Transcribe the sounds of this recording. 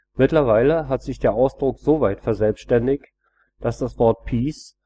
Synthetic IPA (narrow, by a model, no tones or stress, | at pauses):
mɪtlɐvaɪləɦatz̥ɪçd̥eːɐʔaʊsd̥ʁʊkz̥oːvaɪtfɛɐzɛlpstʃtɛndɪç | d̥asd̥asv̥ɔɐt̚pʰiːs